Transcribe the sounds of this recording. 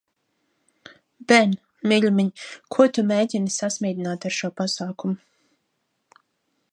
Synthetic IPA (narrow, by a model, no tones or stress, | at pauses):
bɛn | miʎmʲiɲkʰuɔt̪umeːɟʲinɨsasmʲiːd̪ʲinaːt̪aɾʃuɔpasaːkumu